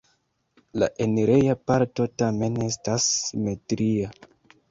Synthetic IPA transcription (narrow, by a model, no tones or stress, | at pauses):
la̰ʔe̞neɾejapaɾto̞tame̞ne̞stasːime̞tɾia